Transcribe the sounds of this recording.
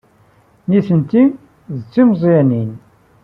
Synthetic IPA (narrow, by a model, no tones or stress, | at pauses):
niθənt̪i | ðt͡sːimzˤjænin